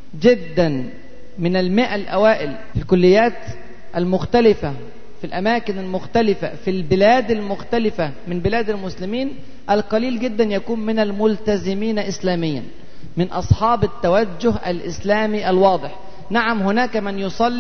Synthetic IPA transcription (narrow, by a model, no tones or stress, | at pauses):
d͡ʒɪd̪ːæn | mɪnælmɪʔælʔæ̰wæːʔɪl | filkʊlːɪjːæːt̪ | ʔælmʊxt̪ælɪfa | filʔæmæːkɪnælmʊxt̪ælɪfa̰filbɪlæːd̪almʊxt̪ælɪfa | mɪmbɪlæːd̪ælmʊslɪmiːn | ʔælqɑliːlɡɪd̪ːænjækuːnmɪnælmʊlt̪æzɪmiːnʔɪslæːmɪjːa̰n | mɪnʔɑsˤħɑːbɪt̪ːæwæd͡ʒːʊɦʔælʔɪslæːmiʔælwɑːd̪ˤɨħ | naʕamɦʊnæːkæmɪnjosˤɑlː